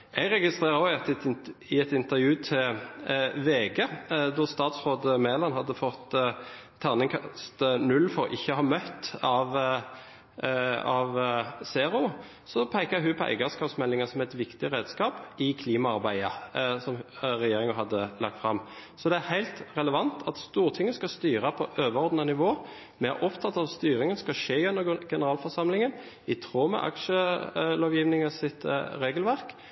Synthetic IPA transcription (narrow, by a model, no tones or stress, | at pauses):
ɛɡʁɛɡɪst̪ʁeːʁəɾoːɑt̪ɪɛt̪ɪnt̪əʁjʉːt̪ʰɪ | ʋeːɡəd̪ɔʁst̪ɑːt̪sʁoːd̪əmeːlɑnɦɑd̪ːəfɔt̪ʰː | æʁnɪŋkʰst̪nʉlːfɔʁʔɪçːəhɑɾmœt̪ːɑʋ | ɑʋseːɾʊ | sɔpʰæɪkɑɦʉpʰɔæ̰ɪɡɑskɑːpsmɛlːɪŋəsɔmɛɪt̪ʋɪkt̪ɪɾeːd̪skɑːpɪkʰliːmɑɑɾbæɪəsɔmʁɛjeːɾɪŋɑɦɑd̪ːəlɑ̰k̚t̪fɾɑmsɔd̪ɛæɾhæɪlt̪ʁɛləʋɑnt̪ʰɑt̪st̪uːɾt̪ʰɪŋːəskɑst̪yːɾɑpʰɔʔøːʋəɾɔɾd̪nɑnɪʋoː | mɛæ̰ɾʔɔpt̪ʰɑt̪ːɑtst̪yːɾɪŋənskɑʃeːʉnːəɡɛnəɾɑːlfɔɾsɑmlɪŋən | ɪt̪ʰʁoːmɛ̰ʔɑ̰kʃəloːʋjiːʋnɪŋɑsɪt̪ɾeːɡəlʋæʁk